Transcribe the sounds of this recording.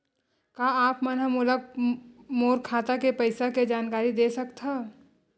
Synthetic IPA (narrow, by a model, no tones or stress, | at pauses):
kaaːpmənɦəmulək̚ | moːɾkʰaːt̪akepəɪsaked͡ʒaːnkaːɾid̪esəkt̪ʰɦa